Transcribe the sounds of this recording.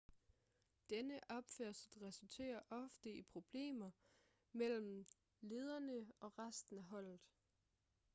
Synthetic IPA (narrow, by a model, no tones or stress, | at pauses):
d̥enəʔɒ̽b̥føɐ̰sˠʁɛsult͡sʰe̝̰ːɐʔɒ̽fd̥əipʰʁo̝b̥le̝̰ːmɐ | mel̰m̩ | le̝ːð̞ˠɐnəɒ̽ʁasd̥n̩æɦɒ̽l̰ð̩ˠ